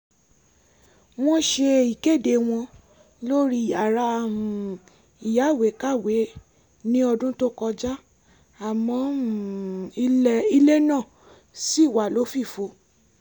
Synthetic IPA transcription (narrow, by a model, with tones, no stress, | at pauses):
w̃ɔ̃˦ʃe˧i˨ke˦˨de˨˧w̃ɔ̃˧ | lo˦ɾi˦˨a˨ɾa˧˨ũ˨ | i˨ja˨˦˨we˨˦ka˦˨we˨˦ | nĩ˦ɔ˧dũ˦to˦kɔ˧d͡ʒa˦ | a˨mɔ̃˨˦˨ | i˦i˦le˦nã˦˨ | si˦˨wa˨lo˨˦fi˦˨fo˧